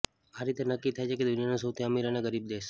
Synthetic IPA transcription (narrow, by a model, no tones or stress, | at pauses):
aɾit̪enəkːit̪ʰajt͡ʃʰeked̪ʊnijanasəwt̪ʰiamiɾaneɡəɾib̚d̪eːʃ